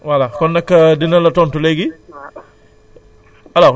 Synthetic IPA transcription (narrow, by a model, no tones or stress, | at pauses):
walakɔnːɐkːɐdinɐlɐtɔntulɛɡi | ɐla